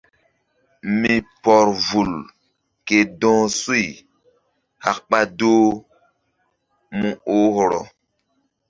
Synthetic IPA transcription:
mi˨pɔ˨ɾvu˨l | ke˨dɔ̃ː˦su˦i˨ | ha˨kɓa˦doː˦ | mũ˦o˦hɔ˨ɾɔ̰˨

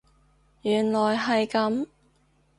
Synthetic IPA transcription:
jyː˨˩nlɔː˨jɦɐ˨jkɐ˨˥m

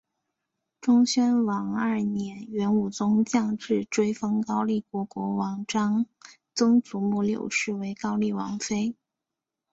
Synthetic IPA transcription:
ʈ͡ʂʊ˥ŋɕɥɛ˥nwɑ˧˥ŋɐ˞˥˩njɛ˧˥nɥɛ˧˥nu˨˩t͡sʊ˥ŋt͡ɕjɑ˥˧ŋʈ͡ʂɻ̩˥˩ʈ͡ʂwe˥ɪfɤ˥ŋkɑ˥ʊli˥˩kwɔ˧˥kwɔ˧˥wɑ˧˥ŋʈ͡ʂɑ˥ŋ | t͡sʊ˥ŋt͡su˧˥mu˥˩ljo̰˨˩ʊʂɻ̩˥˩we˧˥ɪkɑ˥ʊli˥˩wɑ˧˥ŋfe˥ɪ

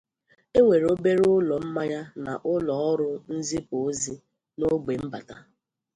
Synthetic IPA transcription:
e˦ŋʷe˨ɾo˦be˦ɾʊ˦lɔ˨m̩˦ma˦ja˦na̰˨ʔʊ˦lɔ˨ɔ˦ɾʊ˦n̩˦zi˦pʊ˨˦zi˦ | no˦ɡ͡be˨m̩˦ba̰˨ta˦

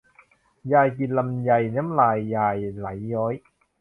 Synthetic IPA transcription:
jaː˧˩jki˨˩t̪̚la˧mja˨˧˩jnɛ˦˥mlaː˧˩jːaː˧jla˨˩˦jːɔː˦˥j

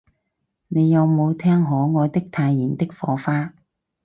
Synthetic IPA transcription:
ne˨˧jɐ˨˧wmo˨˧wt̪ʰɛː˥ŋɦɔː˨˥ŋɔː˨˧t̪ɪ˥k̚t̪ʰaː˧jːiː˨˩nt̪ɪ˥k̚fɔ̰ː˧˥faː˥

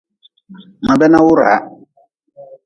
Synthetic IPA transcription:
mã˨bɛ˦nã˦wʊ˦ɾa̰˨˦

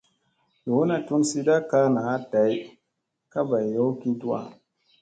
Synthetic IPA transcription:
jo˨˦na˨tu˦nsi˦da˦ka˦na˨a˦da˨˦j | ka˦ba˨jjo˦ki˦tu˦a̰˦˨

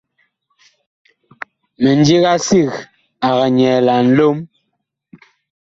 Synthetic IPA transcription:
mɛ˨n˦d͡ʒi˦ɣa˦si˦˨ɣ | a˨ɣa˨ɲɛː˨la˨n̩˦lo˦m

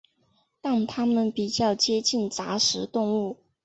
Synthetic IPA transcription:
t̪ɑ˥˩ŋt̪ʰa˥mə˨npi˨˩t͡ɕjɑ˥˩ʊt͡ɕjɛ˥t͡ɕi˥˩nt͡sa˧˥ʂɻ̩˧˥t̪ʊ˥˧ŋu˥˩

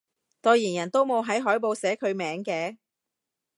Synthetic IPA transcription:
t̪ɔː˧jiː˨˩njɐ˨˩nt̪o˥wmo˨˧wɦɐ˨˥jɦɔː˨˥jpo˨˧wsɛː˨˥kʰɵ˨˧ɥmɛː˨˥ŋkɛː˧

